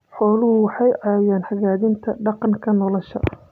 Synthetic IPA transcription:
ħɔːlʊhʊwɑħɑjʕɑːjaːnħɐɣaːðɪnt̪ʰɐɖɑqɑŋkʰɐnɔlɔʃɐ̰

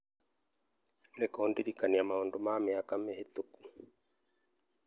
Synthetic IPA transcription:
nekohondiɾikaniamahondomamɛakamehet̪uku̥

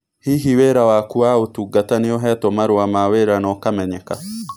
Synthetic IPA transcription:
hiɦiwɛɾawakuaotuɡatanejɔɦɛtomaɾwamaweɾanɔkamɛɲɛka

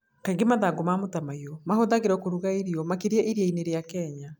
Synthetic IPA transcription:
kaiŋɡemaðaɡomamotamaiɔmahoðaɣeɾɛkoɾuɣaiɾiɔmakiɾiɛʔiɾiaineɾejakɛɲa

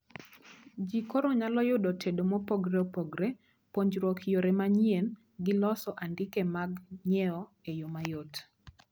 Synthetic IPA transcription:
d͡ʒikoɾɔɲalɔjʊdɔtʰedomɔpoɡɾeopoɡɾe | poɲd͡ʒɾɔkʰjoɾemaɲien | ɡɪlɔsɔʔandɪkemaɡɲɛɔejomajot

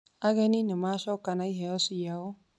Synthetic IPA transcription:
aɡeninimaʃɔkanaiɦɛjɔsijao

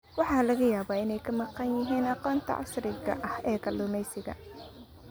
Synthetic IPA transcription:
wɑħɑːlɐɣɐjaːβaːɪnɛjkʰɐmɑqɑnjɪɦiːnɑqɔːnt̪ʰɐ̰ʕɑ̰ʃrɪɣɐ̰ʔɐhɛːkʰɐlʊmɛjsɪɣɐ̰

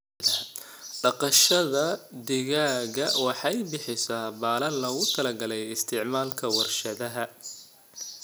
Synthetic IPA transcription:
ðɐ | ɖɑqɑʃɐðɐd̪ɪɣaːɣɐwɑħɑjbɪħɪsaːbaːlɐnlɐɣʊt̪ʰɐlɐɡɐlɛjɪst̪ʰɪʕmaːlkʰɐwɐrʃɐðɐɦɐ

